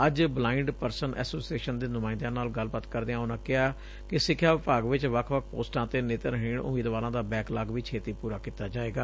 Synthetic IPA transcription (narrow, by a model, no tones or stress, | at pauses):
əd͡ʒblaːɪɳɖpəɾsənʔɛ̰ːsoːsieːʃənd̪eːnʊmãːɪ̃nd̪ãːnaːlɡəlbaːt̪kəɾd̪eãːʊnãːkɪɦaː | kɪsɪkʰːjaːʋɪpaːɡʋɪt͡ʃʋəkʰʋəkʰpoːsʈãːt̪eːneːt̪əɾɦiːɳʊ̰meːd̪ʋaːɾãːd̪aːbɛːklaːɡʋiːt͡ʃʰeːt̪iːpuːɾaːkiːt̪aːd͡ʒaːeːɡaː